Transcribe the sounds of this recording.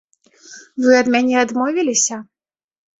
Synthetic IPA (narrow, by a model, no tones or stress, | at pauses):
vɨɐd̪mʲanʲɛad̪mɔvʲilʲisʲɐ